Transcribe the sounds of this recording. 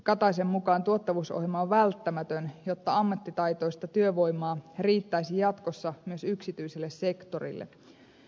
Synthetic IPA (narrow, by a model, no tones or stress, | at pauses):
kɑt̪ɑjs̬emːukɑːnt̪uot̪ːɑʋuso̰ɦjelmɑoʋʋælt̪ːæmæt̪ønjo̞t̪ːɑɑmːɑt̪ːit̪ɑjt̪o̞ist̪ɑt̪yøʋo̞jmˑɑːriːt̪ːæisijɑt̪ko̞sːɑmyøsyksit̪yjselːesse̞kt̪o̞rḭlːḛ